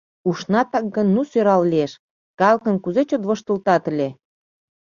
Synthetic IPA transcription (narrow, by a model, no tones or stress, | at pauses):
uʃnɑt̪ɑk̚ɡənːusøɾɑllieʃ | kɑlkə̆nkuzet͡ɕot̪βə̆ʃt̪ə̆lt̪ɑt̪əlʲe